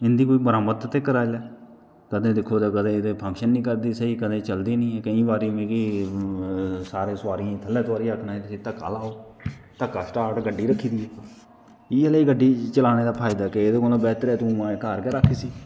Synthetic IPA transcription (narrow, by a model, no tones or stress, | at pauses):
ɪnd̪iːkoːiːbəɾaːmət̪ːt̪eːkːəɾaːlɛː | kəd̪ẽːd̪ɪkʰːoːd̪eːkəd̪ẽːd̪eːpʰə̃ŋkʃənːĩːkəɾd̪iːsəiːkəd̪ẽːt͡ʃəld̪iːnĩːɛːkəĩːbaːɾiːʋẽːki | saːɾẽːsaːɾiãt̪ʰəlːẽːt̪aːɾiəkʰnaːeːt̪ɪsiːt̪əkːa̰ːlaːoːt̪əkːaːsʈaːɾʈɡəɖːiːɾəkʰːiːd̪iːɛː | iːeleiːɡəɖːiːt͡ʃəlaːneːd̪aːpʰaːɪd̪aːkeeːd̪eːkolõːbɛːt̪əɾɛːt̪ũːmãkaːɾkɛːɾakʰːiːsiː